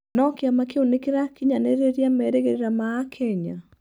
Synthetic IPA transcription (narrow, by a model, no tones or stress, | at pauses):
nɔkeamakeonekeɾakiɲaneɾeɾiamɛɾeɣeɾeɾamaːkʰɛɲa